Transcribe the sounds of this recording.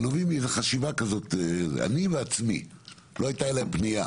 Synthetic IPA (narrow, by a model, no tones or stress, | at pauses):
novimezeχaʃivakazo̞t̪ea̰niveat͡smḭ | lo̞ajtaelaempnija̰